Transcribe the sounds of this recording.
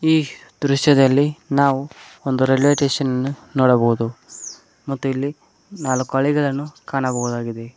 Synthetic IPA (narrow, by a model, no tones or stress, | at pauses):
iːd̪ɾuʃjɐd̪ɐlːinaːʋuond̪uɾelʋeʈeːʂɐnɐnːunoːɽɐbɐɦud̪u | mɐt̪ːuilːi | naːlɐkːɐːɭiɡɐɭɐnːukaːɳɐbɐɣud̪aːɡid̪e̞